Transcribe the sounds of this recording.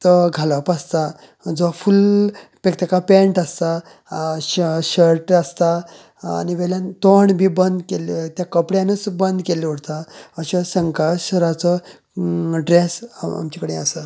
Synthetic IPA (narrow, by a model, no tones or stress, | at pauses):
t̪əɡʱaləpəst̪a | d͡zʋafulpek̚t̪akapẽɳʈəst̪a | ɕəɾʈəst̪a | a̰niʋɛljãnt̪oɳbʱiːbənd̪kelt̪jakəpɽjãnət͡sbənd̪keleuɽt̪aəɕasəŋkaɕəɾat͡sɔ | ɖɾesa̰mt͡ɕikəɽẽəsə